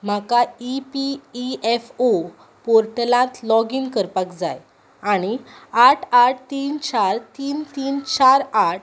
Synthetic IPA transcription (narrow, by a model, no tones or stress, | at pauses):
m̤akaipiːefo | poɾʈlãt̪lɔɡiːnkəɾpakd͡za̰j | aɽ̃iaʈʰaʈ̚ʰt̪iːnt͡ɕaɾt̪iːnt̪iːnt͡ɕaɾaʈ̚